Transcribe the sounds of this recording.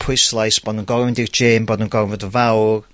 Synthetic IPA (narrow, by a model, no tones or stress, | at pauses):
pʰʊjslˠajsb̥oːdnənɡɔɾmɪndird͡ʒeːmboːdənɡɔɾvədəvawr